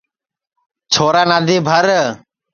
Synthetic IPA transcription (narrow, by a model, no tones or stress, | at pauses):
t͡ʃʰoːɾaːnaːd̪iːbʱəɾ